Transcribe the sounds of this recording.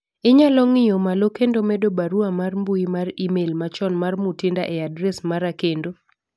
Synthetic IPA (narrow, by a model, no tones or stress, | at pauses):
ɪɲalɔŋɪjomalokendomɛdobaɾuamarmbuimarimelmat͡ʃɔnmarmutɪndaʔɛadɾɛsmaɾakendo